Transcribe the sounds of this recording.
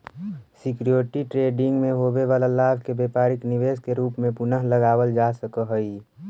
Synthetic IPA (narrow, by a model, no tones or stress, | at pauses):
sɪkɾjoːɾʈiʈɾeːɖɪ̃ŋɡmẽɦoːbeʋaːlalaːbʱkebeːpaːɾɪkniʋeːskeɾuːpmẽpʊnəɦləɡaːwəld͡ʒasəkəɦəi